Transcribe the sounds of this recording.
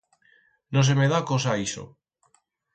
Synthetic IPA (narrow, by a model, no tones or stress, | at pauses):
nõs̬emeðakosaiso̰